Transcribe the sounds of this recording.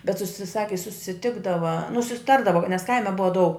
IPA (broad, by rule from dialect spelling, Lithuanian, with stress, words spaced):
bʲɛt ˈsʊsʲɪ ˈsɑːkʲɪ sʊsʲɪˈtʲɪɡdɐʋɐ nʊ sʊsʲɪˈtɐrdɐʋɐ nʲɛs ˈkɐɪmʲɛ ˈbʊʋɐ dɐʊk